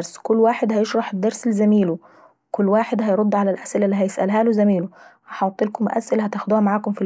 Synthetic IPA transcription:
ɾˤskʊlːwaːħed̪hæjeʃɾˤɑħɪd̪ːɑɾˤsɪlzæmiːlu | wkʊlːwaːħed̪hæjɾˤod̪ːʕalælʔæsʔɪlælːiːɦæjɪsʔæ̰lɦælozæmiːluhæħɑt̪ˤːelkʊmʔæ̰sʔɪlæhæt̪æxd̪uːhæmaʕaːkʊmfi

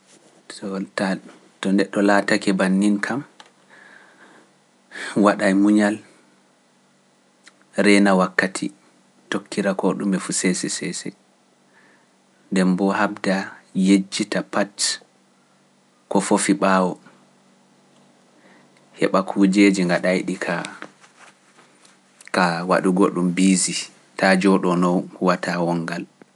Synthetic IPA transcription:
ɔta | tɔndɛɗːɔlaːtakɛbanːinkʰam | waɗajmuɲal | ɾɛnawakːatʰḭ | tokːiɾakɔɗumɛfusɛsɛsɛsɛ̰ | ndɛmbɔhabdajed͡ʒːitapat | kɔfofiɓaːwɔ | hɛɓakʰuːd͡ʒed͡ʒiŋɡaɗajɗikʰa | kawa̰ɗuɡoɗumbiːzi | tad͡ʒɔɗɔnɔwwatʰawɔŋɡal

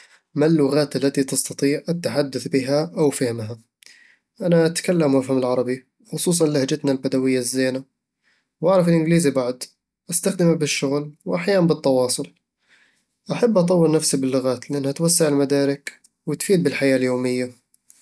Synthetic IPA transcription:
malːʊɣaːt̪alːat̪it̪ɑst̪ɑt̪ˤiːʕʔat̪ːaħad̪ːaθbɪɦaʔawfahɪmɦa | ʔanaʔat̪kalːamwafhamɪlʕɑɾˤɑbi | xʊsˤuːs̬ˤɑnlahd͡ʒat̪nalbad̪awɪjːazːeːna | wʔaʕɾˤɑfɪlʔɪɡliːzibaʕd̪ | ʔast̪axd̪ɪmabɪʃːʊɣlwʔaħjaːʔmbɨt̪ˤːɑwɑːsˤʊl | ʔaħabːʔɑt̪ˤɑwːɪlnafsibɪlːʊɣaːt̪lɪʔanːhat̪wasːaʕɪlmad̪aːɾɪk | wɪt̪fiːd̪̚bɪlħajaːljoːmɪjːa

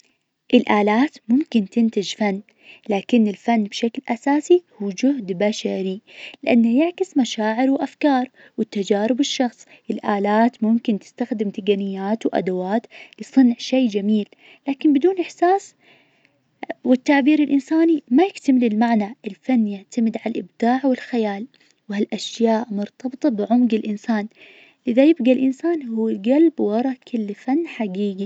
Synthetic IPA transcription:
ʔɪlʔaːlaːt̪mʊmkɪnt̪ɪnt̪ɪd͡ʒfanː | laːkɪnːɪlfanːbʃaklʔasaːsihuːd͡ʒʊhd̪baʃaɾilɪʔanːajɪʕkɪsmaʃaːʕɪɾwʔafkɑːɾˤ | wɪt̪ːad͡ʒaːɾɪbɪʃːɑxsˤ | ʔɪlʔaːlaːt̪mʊmkɪnt̪ɪ̥st̪axd̪ɪmt̪ɪɡanɪjːaːt̪wʔa̰d̪awaːt̪lɪsˤɨnʕʃejːd͡ʒamiːlː | aːkɪmbɪd̪uːnʔɪħsaːs | wɪt̪ːaʕbiːɾɪlʔɪnsaːnimajɪkt̪amɪlɪlmaʕnaʔɪlfanːjaʕt̪amɪd̪ʕalalʔɪbd̪aːʕwɪlxajaːl | wɪhalʔaʃjaːʔmʊɾt̪ɑbɨt̪ˤɑbɪʕʊmɡɪlʔɪnsaːn | ʔɪðajɪbɡalʔɪnsaːnhuːɡalbwɑɾˤɑkʰɪlːfanːħaɡiːɡi

